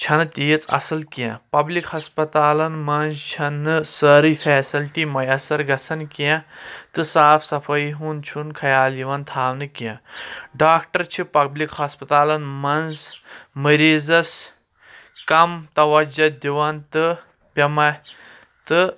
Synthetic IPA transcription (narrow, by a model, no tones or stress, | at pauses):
t͡ʃʰɐnɨt̪ʲijit͡sɐ̰sɨlkjã̰pɐblikhɐspɐt̪aːlɐnmɐnzt͡ʃʰɐnːɨsəɾifʰeːsilʈiːmɐjɐsɐɾɡɐsɐnkjãt̪ɨsaːfsɐfʰɐjɦunt͡ʃʰunkʰɐjaːljiʋɐnt̪ʰaːwnɨkjãɖaːkʈɐɾt͡ʃʰipɐblikhɐspɐt̪aːlɐnmɐnzmɐɾiːzɐs | kɐmt̪ɐʋɐd͡ʒɐd̪ʲiʋɐnt̪ɨ | pʲɐmɐ | t̪ɨ